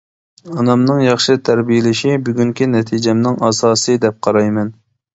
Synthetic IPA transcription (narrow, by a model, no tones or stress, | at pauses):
ɑnɑmnɨŋjɑχʃɨt̪ʰæɾbijɪlɪʃibyɡʲyŋkʲinɛt̪ʰid͡ʒɛmnɪŋɑsɑːsɨd̪ɛp̚qʰɑɾɑjmɛn